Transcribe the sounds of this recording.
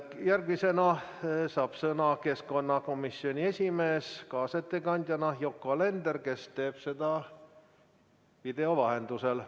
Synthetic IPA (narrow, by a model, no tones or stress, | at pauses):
jærɡmisenɑsɑpsenɑkeskonːɑkomisːionʲiesʲimeːskɑːset̪ːekɑnʲd̪̥ʲjɑnɑjokːoɑlend̪erkest̪eːpsed̪ɑ | ʋid̪̥eoʋɑhend̪usel